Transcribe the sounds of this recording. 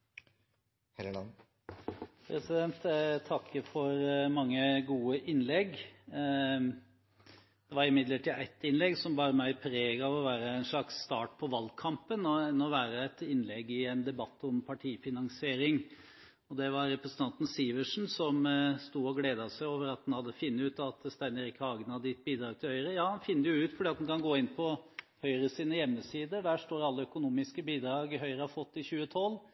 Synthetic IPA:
pʰɾɛsɪd̪ɛnt̪t̪ʰɑkːəfɔɾmɑŋːəɡuːəʔɪnːlɛɡ | d̪̥ɛʋɑɾɪmɪd̪ləʈiːʔæɪt̪ɪnlɛɡsɔmbɑːɾəmæɪpʰɾeːɡɑʋɔʋæːɾəæɪnʂɭɑksːt̪ɑːʈ̚pʰɔʋɑlːkʰɑmpənɔɛnːɔʋæːɾəɛt̪ɪnːlɛɡɪɛnd̪ɛbɑt̪ːɔmpʰɑʈʰiːfɪnɑŋsɪeːɾɪŋ | ɔd̪ɛʋɑɾɾɛpɾəsənɑnt̪n̩siːʋəʂn̩sɔmst̪uːɔɡleːd̪ɑsæɪoːʋəɾɑt̪̚hɑnhɑd̪ːəfɪnːəʉːt̪ɑt̪st̪æɪnəɾɪkːəɑːɡnɑd̪əɪt̪̚biːd̪ɾɑːɡ̚t̪ʰɪlhœʏɾəjɑːhɑnfɪnːd̪əjʊʉːt̪fɔɖiːɑt̪d̪unkʰɑnɡoːɪnpʰɔ | hœʏɾəsiːnəjɛmːəsiːd̪əɖæːʂʈ̪oːɾɑlːəœkʊnuːmɪskəbiːd̪ɾɑːɡɦœʏɾəhɑfɔt̪ːɪçʉːət̪ʰɔlː

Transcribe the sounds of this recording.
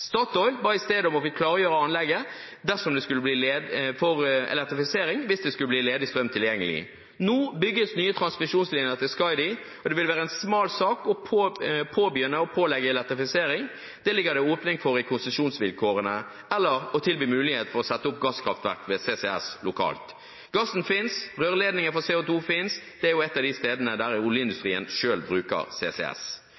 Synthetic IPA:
st̪ɑt̪ɔʏbɑːɪst̪eːd̪ɔmɔfɪkʰlɑːɾəjøːɾəɑnlɛɡːə | d̪æsɔmd̪ɛskʉlːəbliːlefɔɾɛ̰lɛk̚t̪ɾɪfɪseːɾɪŋʋɪsd̪ɛskʉləbliːleːd̪ɪst̪ɾœmt̪ʰɪljɛŋːəlɪ̰ | noːbʏɡːəsnyːət̪ʰɾɑnsmɪʃuːnsliːnəɾət̪ɪlskɑɪd̪ɪ | ɔd̪ɛʋɪlʋæːʁəɛnsmɑːlsɑːkɔpʰːpʰoːbyːənəɔpʰoːlɛɡːəɛlɛk̚t̪ɾɪfɪseːɾɪŋ | d̪̥ɛlɪɡːəʁd̪ɛoːpnɪŋfɔɾɪkʰʊnsəʃuːnsʋɪlkʰoːɾənə | ɛlːəɾɔt̪ʰɪlbyːmʉːlɪheːt̪fɔɾɔsɛt̪ːəʊp̚ɡɑskʰɾɑft̪ʋæ̰ʁkʋeːseːsɛɛ̰slʊkʰɑ̰ːlt̪ | ɡɑsːn̩fɪnsʁøːɾleːd̪nɪŋəfɔseːʊːt̪ʰuːfɪnsd̪̥ɛæɾjʊɛt̪ːɑd̪ɪst̪eːd̪ənəd̪æɾɪʊljəɪnd̪ʉst̪ɾiːə̰nʃøːlbɾʉːkə̰ɾsḛːsɛ̰ɛ̰s

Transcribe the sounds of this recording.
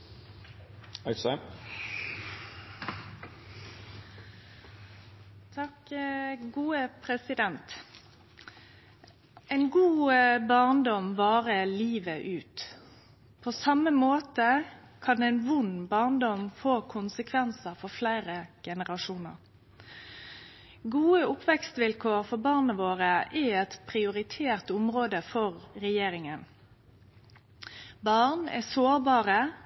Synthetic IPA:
ɑɪsɑ | t̪ʰɑk | ɡuːəpʰʁɛsɪd̪ɛnt̪ | ɛɪnɡuːbɑʁnd̪ɔmʋɑːʁəliːʋəʔʉːt̪ | pʰoːsɑməmoːt̪ə | kʰɑnd̪ɛnʋʊnbɑʁnd̪ɔmfoːkʰʊnsəkʰʋɛnsəfɔflæɪʁəɡ̥ɛnəʁɑʂuːnə̰ʁ | ɡuːəʊpʋɛkst̪ʋɪlkʰoːɾfɔbɑʁnəʋoːʁəɛɛt̪pʰʁɪʊʁɪt̪ʰeːʁt̪ʊmʁoːd̪əfɔʁɾɛjeːɾɪŋən | bɑʁnɛ̰soːɾbɑːʁə

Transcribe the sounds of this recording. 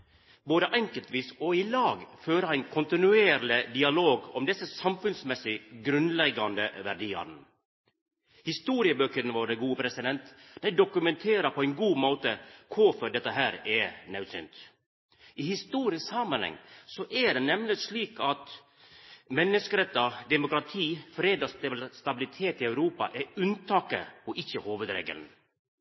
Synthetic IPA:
boːd̪əʔɛŋkəlt̪ʋiːsɔɪlɑːɡføːɾəæɪnkʰʊnt̪ɪnʉeːɾlɪd̪ɪɑloːɡɔmd̪ɛsːəsɑmfʉnsmɛsɪɡɾʉnlɛɡːɑnd̪əʋæɾɖiːɑ̰n | hɪst̪uːɾɪəbøːkəɾnʋɑːɾɖɛɡuːəpʰɾɛsɪd̪ɛnt̪d̪̥æɪd̪ʊkʉmɛnt̪ʰeːɾəpʰɔæɪnɡuːmoːt̪əkʰʊfɔɖ̪ɛt̪ːəɦæːɾɛnɛʉsʏ̰nt̪ | ʔɪhɪst̪uːɾɪəshɑmənhɛ̰ŋsɔʔæɖɛnɛmlɪsliːkʰɑt̪ | mɛnːəskəɾɛt̪ːɑd̪ɛmʊkɾɑt̪ʰiːfɾeːd̪ɑsst̪ɑbɪlɪt̪ʰeːt̪ɪœʉɾuːpɑ̰ʔɛʉnt̪ʰɑːkə̰pɔʔɪçːəhoːʋəd̪ɾḛːɡə̰ln̩

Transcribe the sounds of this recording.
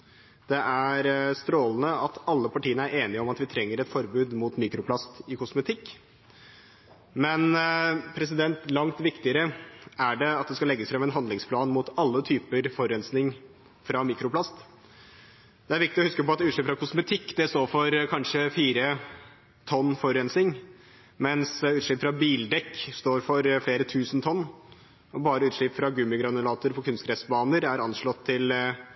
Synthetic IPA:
d̪̥ɛʔæɾst̪ɾoːlən̩əɑt̪ʰɑlːəpʰɑʈiːənəæɾʔeːnɪɔmɑt̪ʋɪt̪ʰɾɛŋːəɾɛt̪fɔɾbʉːd̪mʊt̪miːkɾʊpʰlɑst̪ɪkʰʊsmɛt̪ʰɪkː | mɛnpʰɾɛs̬ɪd̪ɛnt̪lɑŋt̪ʋɪkt̪ɪəɾəæɖɛɑt̪̚d̪ɛskɑlɛɡːəsfɾɑmɛnɦɑnd̪lɪŋspʰlɑːnmʊt̪ɑlːət̪ʰyːpəɾfɔɾɛnsnɪŋ | fɾɑmiːkɾʊplɑst̪ | d̪̥ɛæɾʋɪk̚t̪ɪɔhʉskəpɔɑt̪ʉːɭɪpːfɾɑkʰʊsmɛt̪ʰɪkːd̪̥ɛst̪oːfɔɾkʰɑnʂəfiːɾə | t̪ʰɔnːfɔɾɛnsnɪŋ | mɛnsʉːt̪ʂɭɪːpfɾɑbiːld̪ɛkːst̪oːɾfɔɾfleːɾət̪ʰʉːsən̩t̪ʰɔnː | ɔbɑːɾəʉːt̪ʂɭɪpfɾɑɡʉmɪɡɾɑnʉlɑːt̪ʊɾpɔkʰʉnst̪kɾɛsbɑːnəɾæɾɑnʂɭɔt̪ʰːɪl

